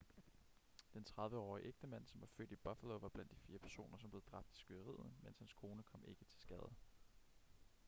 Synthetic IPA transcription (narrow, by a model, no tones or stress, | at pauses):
d̥ent͡sʰʁɑ̈ð̞ˠʋəɒ̰ːiʔeɡ̥̚d̥əmæn̰sɒ̽mʋɑ̈fø̰ːd̥ib̥ɑfæloʋɑ̈b̥lænd̥ifiːɐpʰæɐso̝̰ːnɐsɒmb̥le̝ð̩ˠd̥ʁɑ̈b̥d̥i̥sɡ̥yðˠəʁḭð̰ˠnmen̰shænskʰo̝ːnəkʰɒ̽me̝ɡ̥ət͡sʰe̝lsɡ̥ɛːð̩ˠ